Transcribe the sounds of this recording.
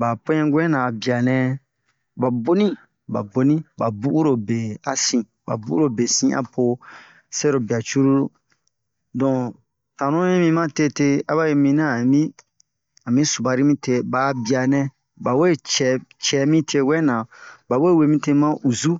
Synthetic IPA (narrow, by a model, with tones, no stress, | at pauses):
ba˨po˦ɲɛ̃˦ɡʷɛ̃˦nã˨bi˨a˨nɛ̃˧ | ba˨bo˦nĩ˦ | ba̰˨bo˨˦nĩ˦ba˨bu˦ʔu˦ɾo˨be˨a˨sĩ˨ | ba̰˨bu˦u˦ɾo˦be˨sĩ˦ʔa̰˨pʰo˧ | sɛ˦ɾo˨bi˨a˨t͡ʃu˦ɾu˦ɾo˦ | dɔ̃˨ | tã˨nũ˦ĩ˦mĩ˧mã˦te˦te˧a˦ba˦je˧˦mĩ˧nã˦˨mĩ˦ | a˨mĩ˦su˨ba˨ɾi˦mĩ˦te˧ba˨bi˨a˨nɛ̃˧ | ba˨we˦˨t͡ʃɛ˨t͡ʃɛ˨˦mĩ˦tʰe˧˨ɡwɛ˦nã˨ba˨we˦˨we˨mĩ˦te˧mã˦ʔu˨zu˦